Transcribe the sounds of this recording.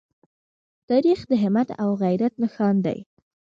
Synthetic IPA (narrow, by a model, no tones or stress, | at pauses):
t̪ɑɾixd̪əɦɪmat̪a̰wɣajɾat̪̚nəxɑnd̪a̰j